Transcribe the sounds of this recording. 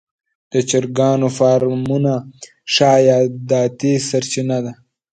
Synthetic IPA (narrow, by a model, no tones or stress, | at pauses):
d̪̥ət͡ʃɐɾɡɑːnofaːɾmuna | ʂɑːjɑːd̪aːt̪isɐɾt͡ʃinad̪a